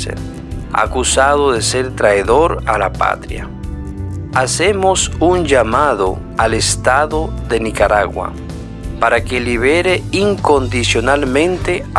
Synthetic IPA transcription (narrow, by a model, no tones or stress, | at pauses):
sḛn | a̰kusaðoðeseɾt̪ɾaeðoɾalapa̰t̪ɾja̰ | asemosund͡ʒamaðo̰ | alest̪aðoðe̞nikaɾaɣwa̰ | paɾakeliβeɾeiŋko̞nd̪isjonalmẽnt̪e